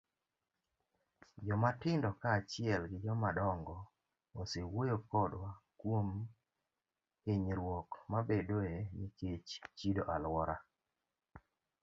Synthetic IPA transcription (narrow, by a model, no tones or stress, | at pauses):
d͡ʒɔmatɪndɔkaːt͡ʃɪɛlɡɪd͡ʒɔmadɔŋɡɔ | osewojokɔdwakwom | eɲɾwɔkmabedoeɲiket͡ʃt͡ʃidoʔalwɔɾa